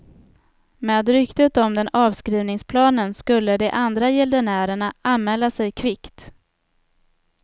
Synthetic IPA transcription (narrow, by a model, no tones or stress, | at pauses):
meːd̪ɾʏkt̪ət̪ɔmd̪ɛnɑːvskɾiːvnɪŋspʰlɑːnənskɵlːəd̪ɛʔand̪ɾajɛld̪ənæːɾəɳaanmɛːlːasɛjkʰvɪkt̪